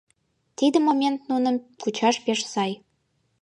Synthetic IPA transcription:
t̪id̪ə̆momʲent̪nunə̆mkut͡ɕɑʃpeʃsɑj

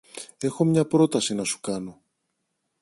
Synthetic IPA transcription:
e̞xo̞mɲɐpɾo̞t̪ɐsinɐsu̥kɐno̞

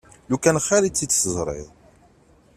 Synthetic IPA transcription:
lukænχːæɾit͡sːit͡sːsəzˤɾˤḭðˤ

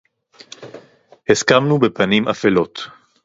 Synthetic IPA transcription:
hiskamnubepanimʔafelo̞t̪

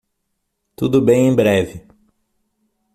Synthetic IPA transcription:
t̪ud̪ʊbẽj̃ẽj̃bɾɛvɪ

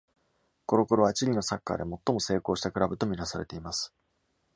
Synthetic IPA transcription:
ko̞ɾo̞ko̞ɾo̞βat͡ɕiɾʲino̞sakːa̰d̪e̞mo̞t̪ːo̞mo̞se̞ːko̞ːɕi̥t̪akɯ̟ɾabɯ̟t̪o̞mʲiɾasaɾe̞t̪e̞imasɨ̥

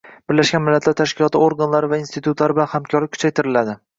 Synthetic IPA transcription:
b̥ɪɾlaʃɡʲanmɪlːat̪laɾt̪ʰaʃkʲɪlˠɒt̪ʰɪoɾɡanlaɾɪvainst̪ʰɪt̪ʰut̪ʰlaɾɪbɪlanhamkʲʰɒɾlɪkʰːʊ̥t͡ʃʰajt̪ʰɪɾɪlad̪ɪ

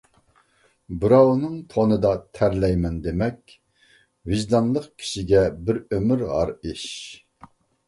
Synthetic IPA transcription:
bɨɾɑwnɨŋt̪ʰonɨd̪ɑt̪ʰæɾlɛjmɛnd̪emɛkʲ | vɪʒd̪ɑnlˠəqkʲʰi̥ʃiɡʲɛbɪɾømɪɾʁɑ̰ɾiʃ

